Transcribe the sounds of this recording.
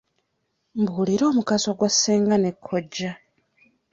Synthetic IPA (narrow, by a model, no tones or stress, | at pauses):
mbuːliɾo̞ːmukasoɡwasːeːŋɡanekʰːoɟːa